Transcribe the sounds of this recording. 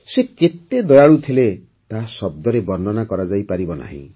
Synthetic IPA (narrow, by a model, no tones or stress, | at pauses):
seket̪ed̪ɔjaɭut̪ʰile | t̪asɔb̚d̪ɔɾebɔɾnɔnakɔɾad͡ʒajpaɾibɔna̰ɦḭ̃